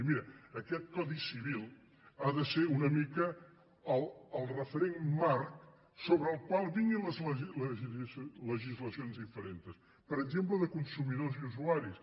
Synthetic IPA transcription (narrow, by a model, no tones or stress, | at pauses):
miɾəːkɛt̪̚kɔðisiβilˠ | aðəseɾunəmikə | əlˠəlˠrəfəɾeŋmaɾk | soβɾəːlˠkwalˠβiŋiləzlə | ləʒizləsionzðifəɾent̪əs | pəɾəɡzempləðəkunsumiðozuzuaɾis